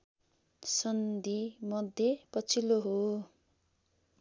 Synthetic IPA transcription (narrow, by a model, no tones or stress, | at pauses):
sʌnd̪imʌd̪ʱjepʌt͡sʰiloɦo